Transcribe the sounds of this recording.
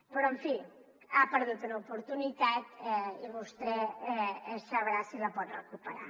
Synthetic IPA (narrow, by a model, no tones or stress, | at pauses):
pəɾɔeɱfi | apəɾðut̪unɐupuɾt̪unit̪at̪ɛiβust̪ɾɛɛɛssaβɾasilapɔt̪rəkupəɾa̰